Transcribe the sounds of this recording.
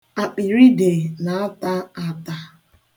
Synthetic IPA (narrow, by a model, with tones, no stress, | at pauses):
a˨k͡pi˨ɾi˦de˨na˨a˦ta˦a˨ta˦